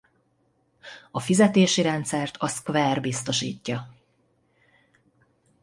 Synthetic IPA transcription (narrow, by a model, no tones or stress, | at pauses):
ɒfizɛt̪eːʃiɾɛnt̪sɛrt̪ʰɒskvɛrbist̪o̞ʃiːcːɒ